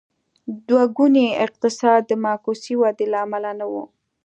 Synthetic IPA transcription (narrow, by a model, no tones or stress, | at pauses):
d̪waɡuneɪq̚t̪ɪsɑd̪ːəmɑkusiwɑd̪elaːmalanawṵ